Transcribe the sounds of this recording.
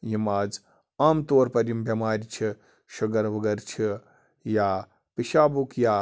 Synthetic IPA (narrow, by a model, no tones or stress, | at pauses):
jimaːd͡z | aːmt̪oːɾpɐɾimbjɐmaːɾʲit͡ʃʰi | ʃuɡɐɾʋɐɡɐɾt͡ʃʰi | jaː | piʃaːbukjaː